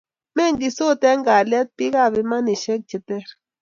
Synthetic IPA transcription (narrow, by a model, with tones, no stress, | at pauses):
me˦ŋɡi˨so˦t̪e˦ŋɡa˨le˦t̪̚pi˦ɡa˦˨βi˨ma˦ni˨ʃe˦k̚t͡ʃe˨t̪e˦ɾ